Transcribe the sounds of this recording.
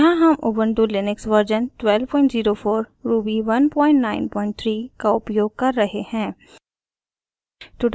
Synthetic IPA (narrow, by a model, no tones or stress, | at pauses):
ɦãɦɐmʔʊbə̃ɳʈulɪnɪksʋɐɾd͡ʒənʈwɛlpɔ̃ːɪ̃ɳʈziːɾofʰoːɾɾuːbiʋɐnpɔ̃ːɪ̃ɳʈnaːɪ̃npɔ̃ːɪ̃ɳʈ̚t̪ʰɾiːkaʊpjoːɡ̚kɐɾːɐɦehɛ̃ː | ʈ̪ʊɖ